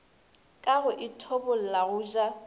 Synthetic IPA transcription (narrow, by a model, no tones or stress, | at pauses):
kʼaɣʊʔɪtʰobʊl̩laɣʊːʒa